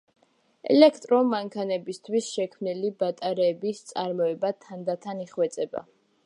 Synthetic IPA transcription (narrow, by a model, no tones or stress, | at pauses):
ɛ̰lɛkʰt̪ʼɾɔmaŋkʰanɛbist̪ʰwisʃɛkʰmnilibat̪ʼaɾɛːbist̪sʼaɾmɔɛbat̪ʰand̪at̪ʰaniχwɛt̪sʼɛba̰